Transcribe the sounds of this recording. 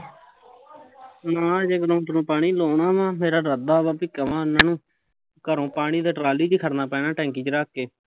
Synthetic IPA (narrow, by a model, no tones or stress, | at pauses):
nãːd͡ʒeːɡəɾõːt̪ənõːpaːɳ̃iːloːɳaːmãːmeːɾaːɾəd̪aːbaːpiːkəʋãːnãːnũː | kəɾõːpaːɽ̃iːd̪eːʈɾaːliːd͡ʒiːkʰəɾnaːpɛ̃ːnãːʈɛ̃ːŋkiːt͡ʃɾəːkːeː